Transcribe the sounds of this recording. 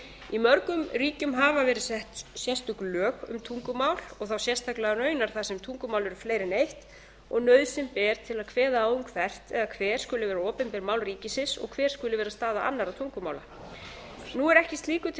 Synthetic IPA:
imœɾkʏmɾiːcʏmɦaːvavɛːɾɪsɛht̪sjɛst̪ʏklœːkʏ̰mt̪ʰuŋkʏmaːwl̥ɔɣθawsjɛst̪ʰajklɛɣanœːɥnaɾ̥θasɛmt̪ʰuŋkʏmaːwlɛɾʏfleːjɾɪnejht̪ | ɔɣnœɥðsɪmpɛːɾt̪ʰɪlaðkʰvɛːðaauŋkfɛr̥t̪ɛðakʰvɛːɾ̥skʏlɪvɛːɾaɔːpɪnpɛɾmaːwlriːcɪsɪsɔ̰ɣkʰvɛːɾ̥skʏlɪvɛːɾast̪aːðaʔa̰nːaɾawt̪ʰuŋkʏmaːwla̰ | nuɛɾɛhcɪst̪liːkʏt̪

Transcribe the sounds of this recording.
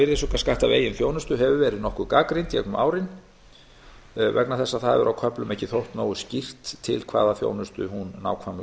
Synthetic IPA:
ɪɾðɪsukaskaht̪avḛːjɪnθjoːwnʏst̪ʏɦɛvʏvɛːɾɪðnɔhkʏkaːkɾint̪jɛ̰knʏmʔaːwɾɪn | vɛknaθɛsːaðθaðvɛ̰ɾʔawkʰœplʏmɛhcɪθowht̪noːwʏscir̥t̪ʰːɪ̰lkʰv̥a̰ːðaθjo̰wnʏst̪ʏ̰hunːa̰ːwkʰvam

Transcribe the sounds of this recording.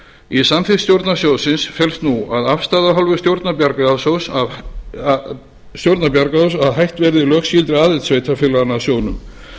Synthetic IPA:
isamfɪst̪jowɾt̪nasjowðsɪnsfjɛlst̪nuaðafst̪aːðaɦɔlvʏ̥st̪jowɾt̪napjaɾkasowsav | st̪jowɾt̪napjaɾkaðsaðɦajht̪vɛɾðɪlœːksjilt̪ɾɪaːðɪt̪sveːjt̪ʰafɪlanːasjoːwnʏm

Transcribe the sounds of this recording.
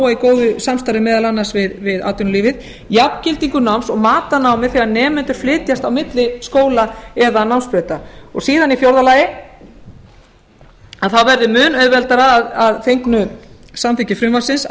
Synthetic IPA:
aikoːwðʏsamst̪aɾɪmɛːðalanːḁsvɪðvɪða̰ːwt̪ʏnʏliːvɪð | japcɪlt̪iŋkʏnawmsɔɣmaːt̪anaːwmɪ̥θɛɣanɛːmɛnt̪ʏɾ̥flɪːt̪jast̪awmɪt̪lɪskoːwlaɛðanawmspɾœːt̪aɔɣsiːðanifjowɾðalaːjɪ | aðθawvɛɾðʏmʏːnœɥðvɛlt̪aɾaːðaðθejŋknʏ | samθɪcɪfɾʏmvasɪns

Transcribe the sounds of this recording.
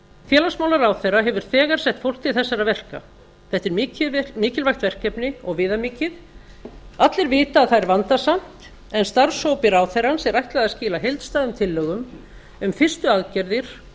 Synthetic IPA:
fjɛːlasmaːwlaɾawθɛrːaɦɛvʏɾ̥θɛːɣaɾ̥sɛht̪fowl̥t̪ʰɪlθɛsːaɾavɛr̥ka̰ | θɛht̪ɪɾmiːcɪlvajxt̪vɛr̥kɛpnɪɔɣvɪːðamiːcɪð | at̪lɪɾvɪːt̪aːðθaɾvant̪asam̥t̪ | ɛnst̪aɾsowpɪɾawθeransɛɾajht̪laɣaðascɪːlaɦejlt̪st̪aːðʏmt̪ʰɪlːœːɣʏm | ʏmfɪ̥st̪ʏaðcɛɾðɪɾ̥

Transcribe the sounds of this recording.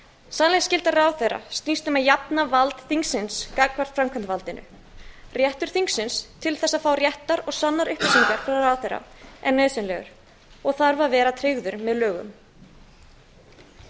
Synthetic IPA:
sanlɛɣscɪlt̪araːwθejɾa̰st̪ist̪ʏmaðjapnavalt̪θiŋksɪnskaːkvar̥t̪fɾamkʰant̪valt̪ɪnʏ̰ | rjɛht̪ʏɾ̥θiŋksɪnst̪ʰɪlθɛsːaðfaːwrjɛht̪aɾɔɣsanːaɾʏhpɪsiŋkaɾ̥fɾawraːwθejɾa̰ɛnːœɥsʏnlɛ̰ɣʏ̰ɾ̥ | ɔɣθaɾvaɾvɛːɾat̪ʰɾeɣðʏɾmɛðlœːɣʏ̰m

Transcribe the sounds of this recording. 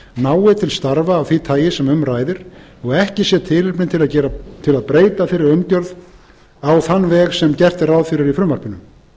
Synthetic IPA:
naːwɪt̪ʰɪlst̪aɾvaːvθvit̪ʰaːjɪsɛmʏmɾaːjðɪɾ̥ | ɔɣɛhcɪsjɛt̪ʰɪlɪɾpnɪnt̪ʰɪlaðcɛːɾat̪ʰɪlaðpɾeːjt̪afɪɾɪɾʏmcœɾð | awθanːvɛːɣsɛmcɛr̥t̪ɪrawðfɪɾɪɾifɾʏmar̥pɪnʏm

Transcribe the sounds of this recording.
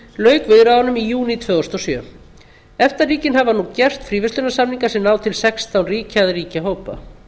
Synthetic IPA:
lœːɥkvɪðɾaðanʏmijuːnit̪ʰvœːɣɔst̪ɔsjœː | ɛft̪ariːcɪnɦavanucɛr̥t̪fɾiːvɪst̪lʏnasamniŋkasɪmnaːwt̪ʰɪlsɛkst̪awnriːcaðriːcaɦoːwpa̰

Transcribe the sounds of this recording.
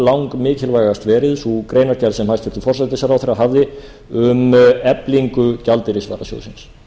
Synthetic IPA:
lawŋkmɪːcʰɪlvaːjast̪vɛːɾɪðsukɾeːjnaɾ̥calsɛmhajst̪fɪɾt̪ʏfɔr̥ak̪ɛsːaɾawθeɾaɦavðɪ | ʏmɛpliŋkʏcalt̪ɪɾɪsva̰ːɾasjo̰wðsɪns

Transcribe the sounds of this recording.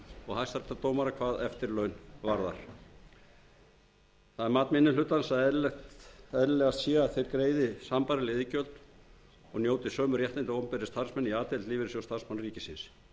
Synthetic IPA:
ɔɣhaðst̪aɾt̪at̪oːwmaɾakʰvaːðɛft̪ɪɾlœɥnvaɾða̰ɾ̥ | θaðɛɾmaːt̪nmɪnːɪlʏt̪ːansaðɛlɛt̪aɛɾlɛːɣast̪siːɣaθejɾkɾeːjðɪsampaɾɪlɪðɪcœlt̪ | ɔɣnjoːwt̪ɪsœːmʏɾjɛht̪ɪnt̪ɪowmpɛɾɪst̪aɾ̥smɛniaːt̪ɛlt̪liːvɪɾɪsjowst̪ʰarsmanriːcɪ̥sɪns

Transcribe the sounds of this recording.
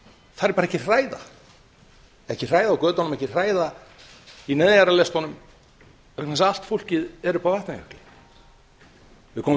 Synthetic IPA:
θaɾɛɾpaɾɛhcɪr̥aːjða̰ | ɛhcɪr̥aːjðaːwkœːt̪anʏmɛhcɪr̥aːjða | inɛðjaɾalɛst̪ɔnʏm | k̪ɛnsal̥t̪fowl̥cɪðɛɾʏpawvɛht̪nacʰœ̥hk̪lɪ | vɪkʰɔːm

